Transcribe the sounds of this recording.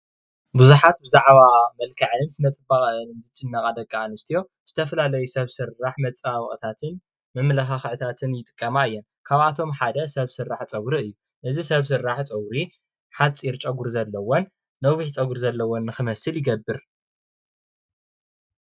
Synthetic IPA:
buzuħat̪̚bɨzaʕβamɐlkʰaʕnɨnsɨnɐt͡sʼɨbaχʼɐɨnɨmzɨt͡sʼɨnːɐkʼad̪ɐkʼːaanɨst̪ʰijo̞ | z̥ɨt̪ʰɐfɐlalɐjusɐβsɨrːaħmɐt͡sʼawɨχʼt̪ʰat̪ʰɨn | mɨmlɐxaxʕɨt̪ʰat̪ʰɨnjɪt̪ʼɨ̥kʼːɐmaɨjːɛn | kʰaβat̪ʰo̞mħad̪ɐsɐβsɨrːaħt͡sʼɐɡɾiɨjːu | ʔɨzisɐβs̬ɨɾːaħt͡sʼɐɡɾi | ħat͡sʼiɾt͡ʃʼɐɡuɾzɐlːɐwonː | oβɨħt͡sʼɐɡuɾzɐlːɐwonːɨxɨmɐsɨljɪɡɐbːɨɾ

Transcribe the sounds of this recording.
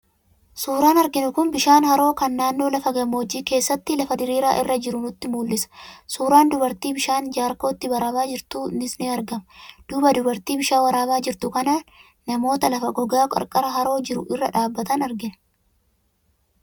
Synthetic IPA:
suːɾaːnɐɾɡɪnʊkʊnbɪʃaːnhɐɾo̞ːkɐnːaːnːo̞ːlɐfɐɡɐmːoɔd͡ʒiːke̞ːsːɐt̪ːɪlɐfɐd̪ɪɾeːɾaːʔɪrːɐd͡ʒɪɾʊnʊt̪ːɪmuːlːɪsɐ̥suːɾaːnd̪ʊbɐɾt̪iːbɪʃaːnd͡ʒaːɾko̞ːt̪ːɪbɐɾaːbaːd͡ʒɪɾt̪uːnɪsneːɐɾɡɐmɐd̪̥ʊːbɐd̪ʊbɐɾt̪iːbɪʃaːwɐɾaːbaːd͡ʒɪɾt̪ʊkɐna | nɐmo̞ːt̪ɐlɐfɐɡɔɡaːkʼɐ̰ɾkʼɐɾɐɦɐɾo̞ːd͡ʒɪɾʊʔɪrːɐᶑaːbːɐt̪ɐnɐɾɡɪnɐ̥

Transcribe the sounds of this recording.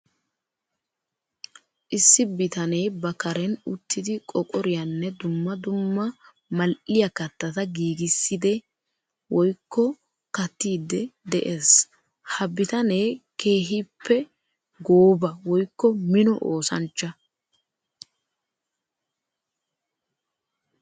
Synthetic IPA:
ʔɪsːɪbɪt̪ɐneːbɐkɐɾɛnʊt̪ːɪd̪ɪkʼɔkʼɔɾɪjɐnːɛd̪ʊmːɐd̪ʊmːɐ | mɐlʔɪjɐkɐt̪ːɐt̪ɐɡiːɡɪsːɪd̪ɛ | wɔjkːɔ | kɐt̪ːiːd̪ɛd̪ɛʔeːs | hɐbɪt̪ɐneːke̞ːɦipːɛ | ɡoːbɐwɔjkːɔmɪnɔʔoːsɐ̰nt͡ʃːɐ

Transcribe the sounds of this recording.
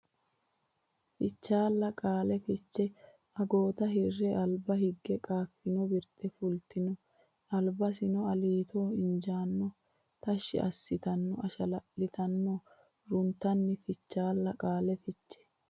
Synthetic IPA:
fɪt͡ʃːaːlːɐkʼaːlɛfɪt͡ʃːɛ | ɐɡo̞ːt̪ɐɦɪrːɛʔɐlbɐhɪɡːɛkʼaːfːɪnɔbɪɾt̪ːɛfʊlt̪ɪnɔ | ɐlbɐsɪnɔɐliːt̪o̞ːɪnd͡ʒaːnːɔ | t̪ɐʃːɪ̰ʔɐ̰sːɪt̪ɐnːɔʔɐʃɐlɐʔːɪt̪ɐnːo | ɾʊnt̪ːɐnːɪfɪt͡ʃːaːlːɐkʼaːlɛfɪt͡ʃːɛ̥

